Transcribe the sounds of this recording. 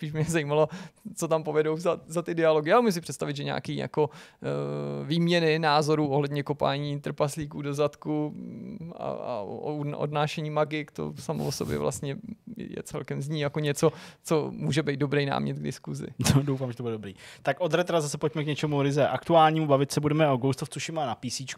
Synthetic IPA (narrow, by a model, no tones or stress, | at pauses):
spiːʃmɪɲɛzajiːmalo̞t͡so̞t̪ampovɛdo̞wzazat̪ɪdɪaloɡɪalmuus̬ɪpr̥ɛt̪st̪avɪd̪ʒɛɲa̰ːkiːja̰ko̞ | viːmɲɛnɪnaːzo̞ɾuːʔoɦlɛdɲɛko̞pa̰ːɲiːt̪r̩pasliːkuːdo̞zat̪ku | a̰a̰ʔo̰dnaːʃɛɲiːmaɡɪkt̪o̰samooso̞bjɛ̰vla̰st̪ɲɛ̰jɛ̰t͡sɛlkɛmzɲiːjakoɲɛt͡so̞t͡so̞muːʒɛbɛjd̪dobɾɛjna̰ːmɲɛt̪̚ɡdɪ̰skuzɪ̰nodowfaːmʒɛt̪obudɛdobɾḭːt̪akʔod̪ɾɛt̪ɾazasɛpocmɛkɲɛt͡ʃɛmuɾɪzɛʔakt̪uaːlɲiːmubavɪt̪sɛbudɛmɛoɡowst̪oft͡suʃɪmaːnapiːsiːt͡ʃk